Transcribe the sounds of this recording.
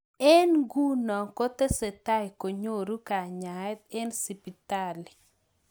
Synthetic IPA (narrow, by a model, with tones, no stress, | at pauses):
ɛ˦nɡu˦nɔ˨ŋkɔ˦t̪e˦se˨t̪a˦jko˨ɲo˦˨ɾu˦ka˨ɲa˨ɛ˦t̪ɛ˦nsi˨pi˨t̪a˦li˨